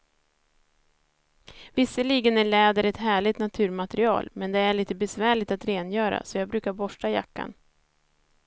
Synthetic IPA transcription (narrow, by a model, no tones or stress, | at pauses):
vɪsːəɭiːɡənæɭɛːd̪əɾɛt̪ɦæːɭɪt̪nat̪ʰʉ̟ːɾmat̪ɾɪɑ̰ːlmɛnd̪ɛæɭiːt̪əbɛsvæːɭɪt̪at̪ɾeːnjœːɾa̰sɔjɑːɡbɾʉ̟ːkaɾbɔʂʈaja̰kːa̰n